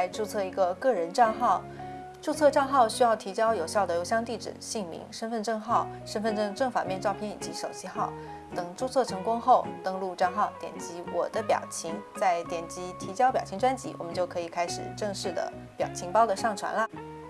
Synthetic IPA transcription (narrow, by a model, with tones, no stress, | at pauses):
a˧˥ɪʈ͡ʂu˥˧t͡sʰɤ˥˩i˧˥ɡə˧kɤ˥˩ɻə˧˥nʈ͡ʂɑ˥˧ŋxɑ˥˩ʊ | ʈ͡ʂu˥˧t͡sʰɤ˥˧ʈ͡ʂɑ˥˧ŋxɑ˥˩ʊɕy˥jɑ˥˩ʊt̪ʰi˧˥t͡ɕjɑ˥ʊjo˨˩ʊɕjɑ˥˩ʊd̪ə˩jo˧˥ʊɕjɑ˥˧ŋt̪i˥˩ʈ͡ʂɻ̩̰˨˩ɕi˥˩ŋmḭ˧˥ŋʂə˥nfə˥˧nʈ͡ʂɤ˥˧ŋxɑ˥˩ʊʂə˥nfə˥˧nʈ͡ʂɤ˥˧ŋʈ͡ʂɤ˥˩ŋfa̰˨˩mjɛ˥˧nʈ͡ʂɑ˥˧ʊpʰjɛ˥˩nḭ˨˩t͡ɕi˧˥ʂo˨˩ʊt͡ɕʰi˥xɑ˥˩ʊ | t̪ɤ˨˩ŋʈ͡ʂu˥˧t͡sʰɤ˥˩ʈ͡ʂʰɤ˧˥ŋkʊ˥ŋxo˥˩ʊt̪ɤ˥ŋlu˥˧ʈ͡ʂɑ˥˧ŋxɑ˥˩ʊt̪jɛ̰˨˩nt͡ɕi˧˥wɔ̰˨˩d̪ə˦pjɑ̰˨˩ʊt͡ɕʰi˧˥ŋt͡sa˥˩ɪt̪jɛ˨˩nt͡ɕi˧˥t̪ʰi˧˥t͡ɕjɑ˥pjɑ˨˩ʊt͡ɕʰi˧˥ŋʈ͡ʂwa˥nt͡ɕi˧˥wʔɔ̰˨˩mə˦nt͡ɕjo˥˩ʊkʰɤ˧˥i˨˩kʰa˥ɪʂɻ̩˨˩ʈ͡ʂɤ˥˧ŋʂɻ̩˥˩d̪ə̰˩ | pjɑ̰˨˩ʊt͡ɕʰi˧˥ŋpɑ˥ʊd̪ə˨ʂɑ˥˩ŋʈ͡ʂʰwa̰˧˥nlə˧